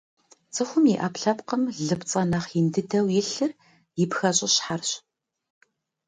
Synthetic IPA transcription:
t͡sʼɨxʷʊmjiʔaːpɬɐpqəmɮɨpt͡sʼɐnɐːχjɪndɨdɐwjɪɬɨr | jɪpxɐɕʼɪɕħarɕ

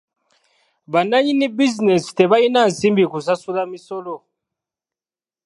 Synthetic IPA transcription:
βanaɲinibizinesi̥te̞βainansiːmbikusasulamiso̞lo

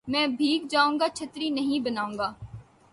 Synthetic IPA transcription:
mɛ̃ːbʱiːk̚d͡ʒaːũːŋɡaːt͡ʃʰət̪ɾinəɦĩbənaːũːŋɡaː

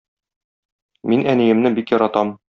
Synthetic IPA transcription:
minænijɘ̆mnɘbikjɒɾɑt̪ɑm

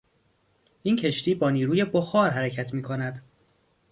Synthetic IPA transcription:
ʔincʰe̞ʃt̪iːbɒːniːɾuːje̞boxɒːɾɦæɾæcʰæt̪ʰmiːkʰo̞næd̪

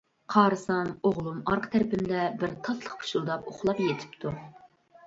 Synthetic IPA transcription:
qʰɑːɾɨsɑmoʁlˠumɑɾqʰə̥t̪ʰæɾpɪmd̪ɛbɪɾt̪ʰɑt̪lˠəχpʰu̥ʃulˠd̪ɑpoχlˠɑpjet̪ʰɪ̥pt̪ʰu

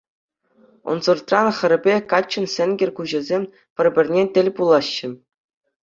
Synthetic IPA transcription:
ŏ̰nzɤ̆rt̪rɑnχɘ̆ɾʲɘ̆bʲekɑt͡ɕːɘ̆nsʲɘ̆nʲɡʲɘ̆rʲkuʑɘ̆zʲemʲ | pʲɘ̆rʲbʲɘ̆rʲnʲetʲɘ̆lʲpulˠɑɕːɘ̆

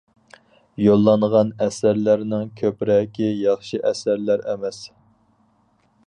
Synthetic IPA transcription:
jolˠːɑnʁɑnɛsæɾlæɾnɪŋkʲʰøpɾɛkʲʰijɑχʃiʔɛsæɾlæɾɛmɛs

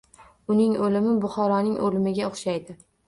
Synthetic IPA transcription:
ʊnɪŋolɪmɪbʊχɒɾɒnɪŋʔolɪmɪɡʲaoχʃajd̪ɪ

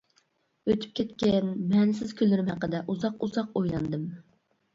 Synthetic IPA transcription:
øt̪ʰy̥p̚kʲʰɛt̪kʲɛnmɛnsɪz̥kʲʰylːɪɾɪmhæqːəd̪ɛʔuzɑquzɑqojlˠɑnd̪ɨm

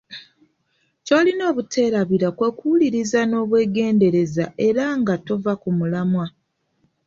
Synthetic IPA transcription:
co̞ːlino̞ːβutʰe̞ːɾaβiɾakwe̞kuuliɾizano̞ːβwe̞ːɡe̞ːnde̞ɾe̞zaʔe̞ɾaŋɡato̞vakumulamwa

